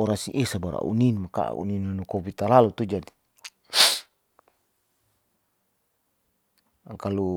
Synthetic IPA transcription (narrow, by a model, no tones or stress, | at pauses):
ɔɾasiʔɛsabaɾa̰ṵninmaka̰ṵninunukɔbit̪alalut̪ud͡ʒadi | kalu